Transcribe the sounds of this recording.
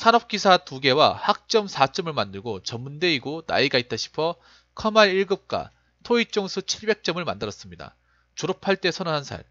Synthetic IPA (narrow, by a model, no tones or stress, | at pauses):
sʰanʌp̚k͈isʰatuɡe̞wahak̚t͡ɕ͈ʌmsʰat͡ɕ͈ʌmɯɭmandɯɭɡot͡ɕʌmːunde̞iɡona̰iɡait͈ʰʌɕʰi̥pʰʌ | kʰʌmaɾiɭɡɯp̚k͈a̰ | tʰoit͡ɕ͈oŋsʰut͡ɕʰiɭbe̞k̚t͡ɕ͈ʌmɯɭmandɯɾʌs͈ɯmɲida̰ | t͡ɕoɾopʰaɭt͈e̞sʰʌnʌnɦansʰa̰ɭ